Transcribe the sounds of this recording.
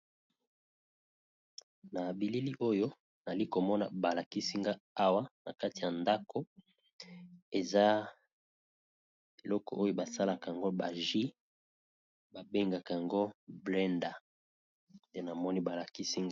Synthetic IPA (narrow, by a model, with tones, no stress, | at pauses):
na˨bi˨li˦li˦ʔo˦jo˦ | na˨li˦ko˨mɔ˦na̰˨ba˨la˨ki˦si˦ŋɡa˦a˦wa˦na̰˨ka˦ti˨ja˨nda˦ko˦ | e˨za˦ | be˨lɔ˦kɔ̰˨ʔo˦jo˦ba˨sa˦la˨ka˨a˨ŋɡo˦ba˨ʒi˦ | ba˨be˦ŋɡa˨ka˨ja˨ŋɡo˦blɛ˦nda˨ | te˦na˨mɔ˦ni˦ba˨la˨ki˦si˦ŋɡa˦